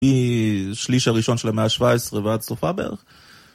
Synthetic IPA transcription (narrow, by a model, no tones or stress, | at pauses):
iʃliʃhaʁiʃonʃelameaʃvaesʁevatsofabḛʁχ